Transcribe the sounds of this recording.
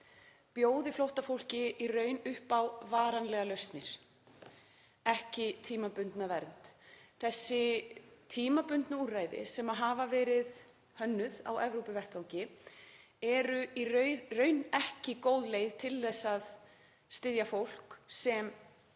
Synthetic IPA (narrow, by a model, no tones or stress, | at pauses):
pjoːwðɪflowht̪afowl̥cɪʔirœːɥnʏhpawvaːɾanlɛːɣalœɥst̪nɪɾ̥ | ɛhcɪt̪ʰiːmapʏnt̪navɛɾnt̪θɛsːɪt̪ʰiːmapʏnt̪nauraːjðɪ̰sɛmaðɦaːvavɛːɾɪð | hœnːʏða̰wʔɛvɾowpɪvɛr̥t̪ʰawɲcɪ | ɛɾʏiɾrœɥnɛhcɪkoːwðlejðt̪ʰɪlːɛsːað | st̪ɪðjafowl̥ksɛm